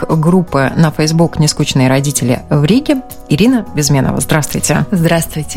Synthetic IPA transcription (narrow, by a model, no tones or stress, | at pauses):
ɡɾupːɨnəfəjzbuknʲɪskut͡ɕɪnɨjɾɐdʲitʲɪlʲɪ̰vɾʲiɡʲɪ | ɪɾʲinəbʲɪzmʲenə̰və̰zd̪ɾast̪vʊjtʲɪ̰zd̪ɾast̪vʊjtʲɪ